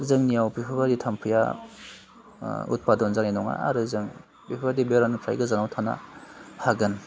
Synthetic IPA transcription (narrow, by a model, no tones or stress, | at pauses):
zɯŋnijawpipʰabaditʰampʰɯja̰ | ṵt̚padɔnzaɾenɔŋa̰a̰ɾɯzɯŋ | pipʰabadibeɾanupʰɾa̰jɡɯzanawtʰana̰haɡɯn